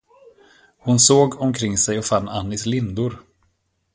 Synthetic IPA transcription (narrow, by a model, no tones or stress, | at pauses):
hʊnsoːɡɔmkʰɾɪŋːsɛjɔfanːa̰nːɪslɪnd̪ʊɾ